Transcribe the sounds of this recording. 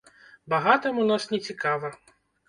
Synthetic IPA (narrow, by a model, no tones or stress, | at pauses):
baɣat̪ɐmunasnʲɛt͡sʲikavɐ